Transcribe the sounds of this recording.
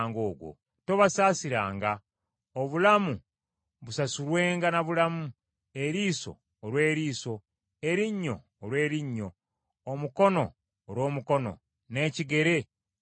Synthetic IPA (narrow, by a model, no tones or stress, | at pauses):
ŋɡo̞ːɡwo̰ | toβasaːsiɾaːŋɡa | oβulamu | βusasulwe̞ːŋɡanaβulamu | e̞ɾiːso̞̰ː | lwe̞ːɾiːso̞ | eɾiɲːo̞̰ːlwe̞ːɾiɲːo̞ː | muko̞no̞̰ː | ɾwo̞ːmuko̞no̞̰ | ne̞ːciɡe̞ɾe̞